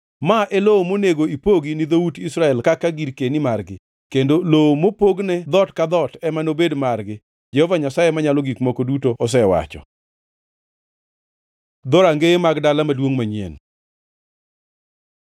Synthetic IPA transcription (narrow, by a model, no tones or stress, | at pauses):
maʔɛloomoneɡoipoɡinid̪outisɾaɛlkakaɡiɾkenimarɡɪ | kendoloomopoɡnɛd̪ɔtkad̪ɔtɛmanobedmarɡɪ | d͡ʒɛhɔvaɲasajemaɲalɔɡikmokodutoʔɔs̬ɛwa̰t͡ʃɔ̰ | d̪ɔɾaŋɡeemaɡdalamadwoŋmaɲḛn